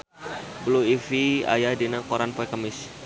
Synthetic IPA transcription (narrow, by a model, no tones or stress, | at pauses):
bluifia̰jadinakoɾanpoɛkəmɪs